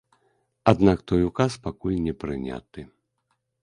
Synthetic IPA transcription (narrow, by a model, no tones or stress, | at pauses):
ad̪nakt̪ɔjukaspakulʲnʲɛpɾɨnʲa̰t̪ɨ